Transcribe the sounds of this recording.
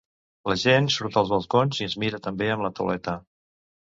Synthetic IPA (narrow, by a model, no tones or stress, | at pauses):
ləʒensuɾt̪əlˠzβəlˠkonziəzmiɾət̪əmbeəmlət̪ṵlɛt̪ə